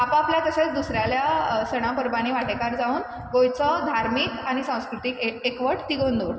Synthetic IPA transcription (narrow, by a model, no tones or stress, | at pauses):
apə̃apljak̪əset͡sd̪usɾjaljasəɽ̃ãpəɾbaɽ̃iʋaʈekaɾd͡zauːn | ɡojt͡sɔd̪ʱaɾmiːkaɽ̃isãw̃skɾut̪iːkeekʋəʈt̪iɡond̪oɽ